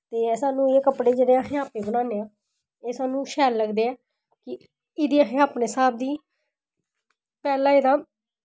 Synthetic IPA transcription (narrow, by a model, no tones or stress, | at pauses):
t̪eːsaːnũːeːkəpɽeːd͡ʒeːɽeːəɦẽːaːpeːbənãːneːãː | eːsaːnũːʃɛːlləɡd̪eːɛː | kɪ | ɪd̪iːəɦẽːaːpneːsaːb̚d̪iː | pɛːlãːɪd̪ãː